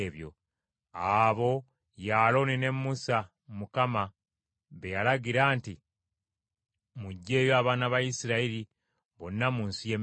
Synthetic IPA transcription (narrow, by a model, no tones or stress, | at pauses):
βjo̞̰ | aβo̞ | jaːlo̞nine̞mːusa | mukama | βe̞jalaɡiɾaːnti | muɟːe̞ːjoaβaːnaβajisiɾaiɾi | βonːamuːnsije̞m